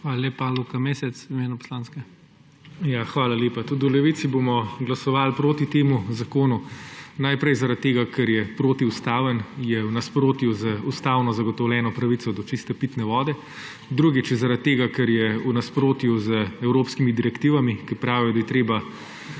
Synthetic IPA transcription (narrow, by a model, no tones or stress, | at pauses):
xʋaːlalʲeːpːalukameːsɛt̪simeːnupɔ̥slaːnskɛ | jaxʋaːlaleːpat̪ud̪ulɛʋit̪sibomɔɡlasɔʋaːlpɾoːt̪it̪eːmuzakoːnunajpɾɛjzaɾat̪̚t̪ːeːɡakʰɛɾjɛpɾoːt̪iust̪aːʋənjɛwnaspɾoːt̪juzəust̪aːwnɔzaɡɔt̪ɔwlʲɛːnɔpɾɐʋisɔd̪ɔt͡ʃist̪ɛpit̪nɛʋɔːd̪ɛ | d̪ɾuɡit͡ʃzaɾat̪̚t̪ːeːɡakɛɾjɛunaspɾoːt̪juzəɛwɾoːpskimid̪iɾɛkt̪iːʋamikipɾaːʋiɔd̪ajɛt̪ɾeːba